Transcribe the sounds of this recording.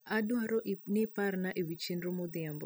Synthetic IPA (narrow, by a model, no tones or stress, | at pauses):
adwaɾɔnɪparnaʔewit͡ʃindɾomɔd̪ɪambɔ̰